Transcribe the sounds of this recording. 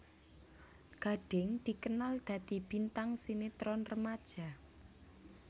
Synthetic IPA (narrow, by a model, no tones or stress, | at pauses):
ɡ̥a̤ɖ̥ɪ̤ŋd̪̥i̤kənald̪̥a̤d̪̥i̤b̥int̪aŋsinet̪ɾɔnrəmad̥ʒ̥a̤